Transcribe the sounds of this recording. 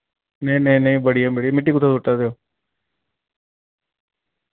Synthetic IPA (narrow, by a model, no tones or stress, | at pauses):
neĩneĩnəĩbəɽijaːmeɽimɪʈ̬ːiːkʊt̪ʰːaːsoʈːad̪eoː